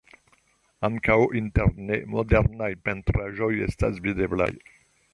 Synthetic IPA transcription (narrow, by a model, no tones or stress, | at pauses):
ãŋkawʔint̪ɛɾnemod̪ɛɾnajpent̪ɾaʒojest̪asvid̪ebla̰j